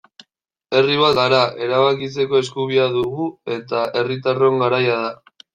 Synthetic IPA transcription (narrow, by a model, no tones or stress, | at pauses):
e̞riβat̪ɣaɾaʔe̞ɾaβakit͡se̞ko̞e̞skuβ̞iaðuɣue̞t̪ae̞rit̪̬aro̞ŋɡaɾajaða